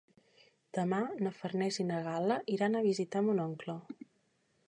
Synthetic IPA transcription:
d̪̥əmanəfərnɛzinəɣaləʔiɾanəβizit̪amunɔŋklɔ

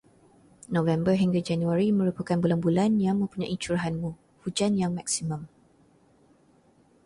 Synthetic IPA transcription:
nõvɛmbəɦiŋɡad͡ʒanuaɾimə̃ɾupəkanbulanbulanjaŋmə̃mpuɲãʔit͡ʃuɾaɦanmũ | hud͡ʒanjaŋmak̚simə̃m

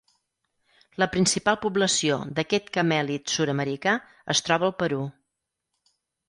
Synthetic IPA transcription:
ləpɾinsipalˠpubləsio̰d̪əkɛt̪kəmɛlit̪suɾəməɾika | ə̰st̪ɾɔβəːlˠpəɾu

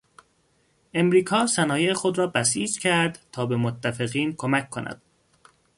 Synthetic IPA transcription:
ʔe̞mɾiːkʰɒːsænɒːjexo̞d̪ɾɒːbæsiːd͡ʒcʰæɾd̪t̪ʰɒːbe̞mot̪ʰːæfeɣiːnkʰomækʰːonæ̰d̪̥

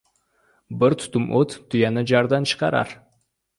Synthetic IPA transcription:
bɪɾt̪ʰʊ̥t̪ʊmʔot̪ʰːʊjɑnəd͡ʒɑɾd̪ɑnt͡ʃʰə̥qɑɾɑ̰ɾ

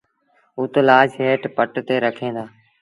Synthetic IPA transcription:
ʊt̪laːd͡ʒɦeːʈpəʈt̪eːɾəkʰẽːnd̪aː

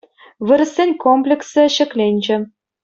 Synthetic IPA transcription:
βɯɾɘ̆sʲenʲkomplʲeksɘ̆ɕɘ̆klʲenʲd͡ʑɘ̆

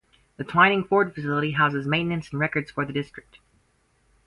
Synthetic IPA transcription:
ðɨtʰl̥ãɪ̃nɪ̃ŋfɔɹd̥fɨsɪlˠəɾiɦaʊzɨzmẽɪ̃nɨ̃nsn̩ɹɛkə˞dz̥fə˞ðɨdɪstɹ̥ɨk̚t̚

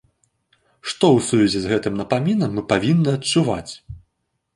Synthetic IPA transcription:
ʂt̪ɔwsuvʲɛzʲɛzɣɛt̪ɨmnɐpamʲinɐmːɨpavʲinːɨɐt͡ʂuva̰t͡sʲ

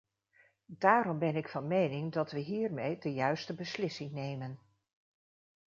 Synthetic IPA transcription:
daːɾɔmbɛnɪkfɑnmejnɪŋdɑtʋəɦiːɹmejdəjœɥstəbəslɪsɪŋnejmən

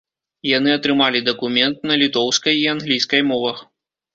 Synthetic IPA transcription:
jan̪ɨɐt̪ɾɨmalʲid̪ɐkumʲɛnt̪̚nɐlʲit̪ɔwskɐjianɣlʲijskɐjmɔvɐx

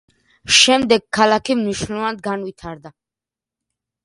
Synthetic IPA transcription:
ʃɛmd̪ɛɡ̚kʰːalakʰimniʃnlˠɛvanad̪̚ɡanvit̪ʰaɾd̪a

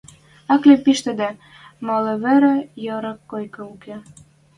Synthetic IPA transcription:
ɑklepiʃt̪ɘ̆d̪æ | mɑlɤ̆βɘ̆ɾĕjɤɾɑ̆kːojkɤuke

